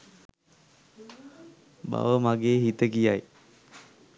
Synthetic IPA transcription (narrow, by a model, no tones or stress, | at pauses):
ba̰ʋəmaɡeːɦit̪əkijaj